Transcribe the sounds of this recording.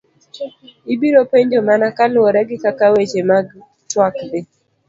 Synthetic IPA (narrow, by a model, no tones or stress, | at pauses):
ibiɾopeɲd͡ʒomanakalwɔɾɛɡɪkakawet͡ʃemaɡ | twakd̪ɪ